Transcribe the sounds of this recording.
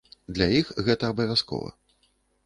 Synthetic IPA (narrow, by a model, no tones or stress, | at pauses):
d̪lʲajixɣɛt̪ɐːbɐvʲaskɔ̰vɐ̰